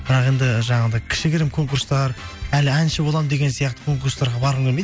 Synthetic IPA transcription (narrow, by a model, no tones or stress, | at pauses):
b̥ɪɾɑqe̞nd̪ɪʒɑɴɑʁd̪ɑjkʲʰɪ̥ʃɪkʲɪɾɪmkʰo̞ŋkuɾst̪ɑɾælɪænʃɪbo̞lˠɑmd̪e̞ɡʲe̞nsijɑq̚t̪ə̥kʰo̞ŋkuɾst̪ɑɾʁɑbɑɾʁəmkʰʲelmed̪